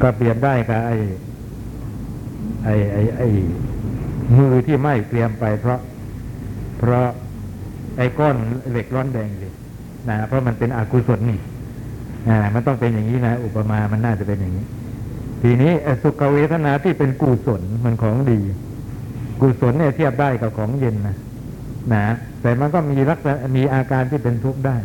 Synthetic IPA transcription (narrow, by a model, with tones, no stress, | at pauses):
kɔ˥˩pli˧əmdaː˥˩jka˧˩ʔa˧˩j | ʔa˧˩jʔa˧˩jʔa˧˩j | mɯː˧˩t̪ʰiː˥˩ma˥˩jt̪ɾi˧əmpa˧jpʰɾɔ˦˥ʔ | pʰɾɔ˦˥ | ʔa˧˩jkɔː˥˩nle˨˩k̚lɔː˦˥ndɛː˧ŋsi˧˩ | na˦˥˩pʰɾɔ˦˥ma˧npe˧nʔaː˧˩kuː˧so˨˩˦nːi˧˩ | ʔaː˧˩ma˧nt̪ɔ˥˩ŋpe˧njaː˨˩ŋiː˦˥na˦˥ʔu˨˩pːa˧maː˧ma˧nːaː˥˩t͡ɕa˨˩pe˧nja˨˩ŋːiː˦˥ | t̪ʰiː˧˩niː˦˥ʔsu˨˩kːa˧˩weː˦˥t̪ʰa˧˨naː˨˦t̪ʰiː˥˩pe˧nkuː˧˩so˨˩˦nma˧nkʰɔː˩˦ŋdiː˧ | kuː˨˩so˨˩˦nːi˥˩ɐt̪ʰi˥˩p̚daː˥˩jka˨˩p̚kʰɔː˩˦ŋje˧nːa˦˥ | na˦˥ | t̪ɛː˨˩ma˧nkɔː˥˩miː˧la˦˥k̚sa˧na˧miː˧ʔaː˧kaː˧nt̪ʰiː˥˩pe˧nt̪ʰu˦˥k̚daː˥˩j